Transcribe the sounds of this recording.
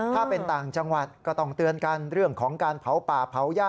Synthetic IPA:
aː˥˩pe˧nt̪aː˨˩ŋt͡ɕa˧ŋwa˨˩t̪̚kɔː˥˩t̪ɔ˥˩ŋt̪ɯ˧ənka˧nɾɯ˥˩əŋkʰɔː˩˦ŋkaː˧npʰa˩˦wpaː˨˩pʰa˩˦wjaː˥˩

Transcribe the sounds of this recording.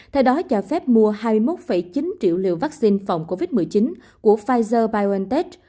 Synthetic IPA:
t̪ʰɛ˧wɗɔ˨˦t͡ɕɔː˧˩fɛ˦˥p̚mu˧əhaː˧mɨ˧əjmo˦˥t̚fə˧˩jt͡ɕi˨˦nt͡ɕḭ˧˨wlḭ˧˨wvaː˦˥k̚si˧nfa̰˨˩wŋ͡mko˧vi˦˥t̚mɨ˨˩əjt͡ɕi˨˦n | ku˧˩əfaː˧jzəː˧ɓaː˧jɛ˧nt̪e˦˥t

